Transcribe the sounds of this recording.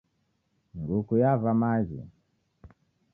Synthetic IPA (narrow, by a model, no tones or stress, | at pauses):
ŋɡukujavamazḭ